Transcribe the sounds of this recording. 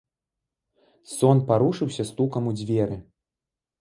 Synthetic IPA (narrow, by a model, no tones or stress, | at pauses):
sɔnpaɾuʂɨwsʲɐst̪ukɐmud͡zʲvʲɛɾɨ